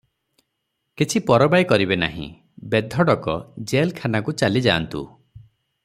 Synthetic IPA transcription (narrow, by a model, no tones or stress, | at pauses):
kit͡ʃʰipɔɾɔbajkɔɾibena̰ɦḭ̃ | bed̪ʱɔɽɔkɔd͡ʒelkʰanakut͡ʃalid͡ʒaːnt̪ṵ